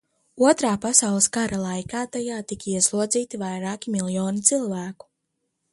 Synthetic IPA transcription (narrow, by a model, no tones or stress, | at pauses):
uɔt̪ɾaːpasawlˠəskaɾʔalˠajkaːt̪ajaːt̪ikiɛslˠuɔd̪ziːt̪ivajɾaːkʲimilˠjɔːnit̪silˠvæːku̥